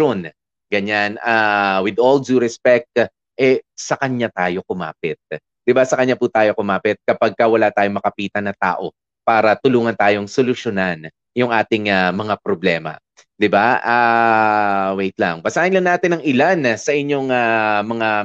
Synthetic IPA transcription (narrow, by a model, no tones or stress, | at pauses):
on | ɡɐɲanawɪd̪old͡ʒuɾɛspɛk̚t̪̚ | ʔɛsɐkɐɲːat̪aːjo̞kʊma̰ːpɪt̪̚ | d̪ɪbasɐkɐɲaput̪aːjo̞kʊmaːpɪt̪̚kɐpɐɡ̚kɐwɐlat̪aːjoŋmɐkɐpiːt̪ɐnɐt̪a̰ːʔo̞ | paːɾɐt̪ʊluːŋɐnt̪aːjo̞ŋsolʊʃonan | jʊŋʔaːt̪ɪŋamɐŋapɾoblɛːmɐ̰ | d̪ɪbaʔa | wejt̪lɐ̰ŋbɐsaːʔɪnlɐŋnaːt̪ɪnɐŋɪlansɐʔɪɲːo̞ŋamɐŋa